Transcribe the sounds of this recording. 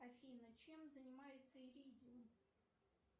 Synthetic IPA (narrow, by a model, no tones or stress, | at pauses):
ɐfʲinət͡ɕemzənʲɪmajɪt̪səɪɾʲidʲɪʊ